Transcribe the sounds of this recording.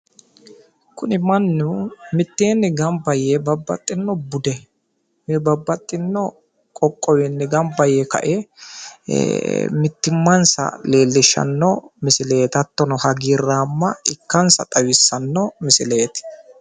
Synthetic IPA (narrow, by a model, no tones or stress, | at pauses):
kʊnɪmɐnːʊmɪt̪ːe̞ːnːɪɡɐmbɐjebɐbːɐ̰t̪ʼːɪnːɔbʊd̪ɛ | mɛbɐbːɐt̪ʼːɪnːɔ | kʼɔkʼːɔwɛnːɪɡɐmbɐjɛkɐ̰ʔe | mɪt̪ːɪmːɐnsɐ̰le̞ːlːɪʃɐ̰nːɔmɪsɪle̞ːt̪ɐt̪ːɔnɔhɐɡiːrːaːmːɐɪkːɐnsɐt̪ʼɐwɪsːɐnːɔmɪsɪle̞ːt̪ɪ̥